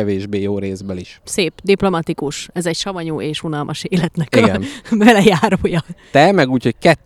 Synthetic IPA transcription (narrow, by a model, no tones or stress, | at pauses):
ɛveːʒbeːjoːɾeːzbɛliʃseːpd̪iplo̞mɒt̪ikuʃɛzɛcʃɒvɒɲuːʔeːʃunɒlmʔɒʃeːlɛt̪nɛkiɡɛ̰nbɛlɛjaːɾoːjɒt̪ɛmɛɡuːchoc̚kɛt̪